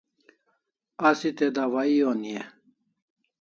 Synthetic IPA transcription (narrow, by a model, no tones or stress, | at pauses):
asit̪ed̪aʋaionie